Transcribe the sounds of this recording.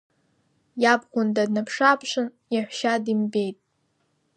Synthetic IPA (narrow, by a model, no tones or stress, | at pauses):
jabχʷʊndadnapʰʂapʰʂɨn | jiħʷʃadimbe̞jtʼ